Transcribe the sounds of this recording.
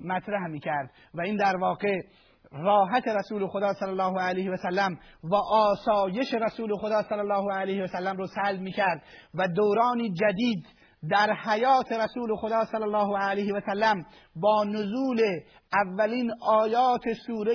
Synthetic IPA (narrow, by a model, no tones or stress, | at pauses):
mæt̪ʰɾæhmiːcʰæɾd̪̚ | væiːnd̪æɾvɒːɡe | rɒːɦæt̪ʰe̞ɾæsuːlexod̪ɒːsælːælːɒːɦoælejheæsælːæmvæʔɒːsɒːje̞ʃe̞ɾæsuːlexod̪ɒːsælːælːɒːhoælejheæsælːæmɾoːsælbmiːcʰæɾd̪væd̪oːɾɒːniːd͡ʒæd̪iːd̪ | d̪æɾhæjɒːt̪ʰe̞ɾæsuːlexod̪ɒːsælːælːɒːɦoælejhevæsælːæm | bɒːnozuːle | ʔævːæliːnʔɒːjɒːt̪ʰesuːɾe